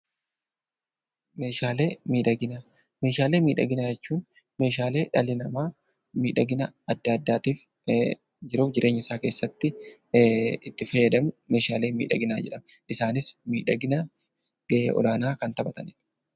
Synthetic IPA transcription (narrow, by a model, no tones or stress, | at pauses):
meːʃaːleːmiːᶑɐɡɪna | me̞ːʃaːle̞ːmiːᶑɐ̰ɡɪnad͡ʒɛt͡ʃːuːn | me̞ːʃaːle̞ːᶑɐlɪnɐmaː | miːᶑɐɡɪnɐɐd̪ːaɐd̪ːaːt̪iːf | d͡ʒɪɾuːfd͡ʒɪɾʔe̞ːɲːɪsaːke̞ːsːɐt̪ːɪ | ɪt̪ːɪfɐjːɐd̪ɐmʊme̞ːʃaːle̞ːmḭːᶑɐ̰ɡɪnaːd͡ʒɛᶑɐmʔɪsaːnɪsmiːᶑɐɡɪna | ɡ̥ɐʔḛːʔɔ̰laːnaːkɐnt̪ɐbɐt̪ɐnɛᶑɐ̥